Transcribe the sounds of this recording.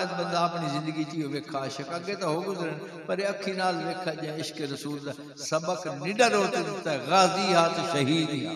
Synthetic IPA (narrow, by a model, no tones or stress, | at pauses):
əd̪bɐ̃nd̪aːpnizɪ̃nd̪əɡit͡ʃiːoʋeːkʰaːɪʃəkɐɡet̪ãɦoːɡʊzəɾɪnɪ | pɐɾeɐkʰːinaːlʋeːkʰaʄẽɪʃkeɾɐsuːlt̪a | sɐbəknɪɖəɾoːt̪ɪt̪ɐɣaːziɦaːt̪ʃɐɦiːd̪ia